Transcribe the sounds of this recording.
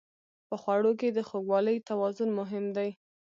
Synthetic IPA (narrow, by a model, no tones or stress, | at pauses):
pəxwaɽok̬ed̪əxoɡwɑləjt̪awɑzʊnmʊɦɪmd̪aj